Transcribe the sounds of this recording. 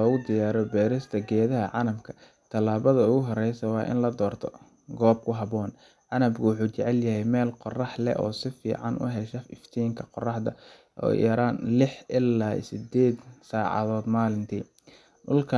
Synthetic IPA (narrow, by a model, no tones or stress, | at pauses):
ɔːɣʊd̪ɪjaːɾɔbɛːɾɪst̪ʰɐɡɛːðɐɦɐʕɑnɐmkʰɐ̥ | t̪ʰɐlaːβɐðɐʊɣʊɦɔɾɛjsɐwɑːʔɪ̰nlɐd̪ɔːrt̪ʰɔ | ɡɔːb̚kʰʊɦɑβɔːn | ʕɑnɐbkʰʊwʊħuːt͡ʃɛʕɛljɐɦɛjmɛːlqɔrɑħlɛ̰ʔɔ̰ːsɪfḭːʕɑ̰nʔʊ̰ɦɛʃɐɪft̪ʰiːŋkʰɐqɔrɑħd̪ɐ | ʔɔ̰ːjɛɾaːnlɪħʔɪlːaːḭsɪd̪ɛːd̪saːʕɑ̰ðɔːd̪maːlɪnt̪ʰiː | ʔʊlkʰɐ